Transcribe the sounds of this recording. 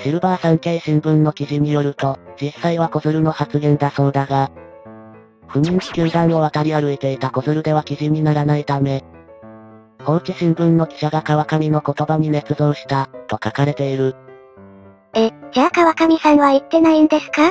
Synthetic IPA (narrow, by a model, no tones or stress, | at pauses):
ɕiɾɯ̟baːsãŋke̞ːɕĩmbɯ̟̃nːo̞kʲiʑiɲ̟ijo̞ɾɯ̟t̪o̞d͡ʑisːaiβako̞zɨɾɯ̟no̞hat͡sɨɡẽ̞nd̪aso̞ːd̪aɡa | ɸɯ̟mʲĩɲ̟t͡ɕi̥kʲɯːd̪ãɰ̃oβat̪aɾʲiaɾɯ̟et̪e̞it̪ako̞zɨɾɯ̟d̪e̞β̞akʲiʑiɲ̟inaɾanait̪ame̞ | kõ̞nt͡ɕiɕĩmbɯ̟̃nːo̞kʲi̥ɕaɡakaβakamʲino̞ko̞t̪o̞baɲ̟ine̞t͡sɨzo̞ːɕi̥t̪at̪o̞kakaɾe̞t̪e̞iɾɯ̟ | eakaβakamʲisãɰ̃βait̪ːe̞naĩnd̪e̞sɨ̥ka